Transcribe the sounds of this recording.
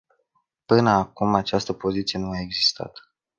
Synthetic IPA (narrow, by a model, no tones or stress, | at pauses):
pɨnəakumat͡ʃast̪əpo̞zit̪sije̞nuae̞ɡzist̪a̰t̪